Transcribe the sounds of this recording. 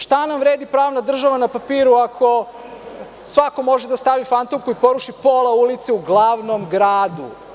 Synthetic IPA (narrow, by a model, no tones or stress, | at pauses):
ʃt̪anamʋɾeːd̪ipɾaːʋnad̪r̩ʒaʋanapapiːɾuakʰo̞ | sʋako̞mo̞ʒed̪ast̪aʋifant̪omkuipo̞ɾuʃipolˠaulit̪seuɡlˠaːʋnomɡɾaːd̪u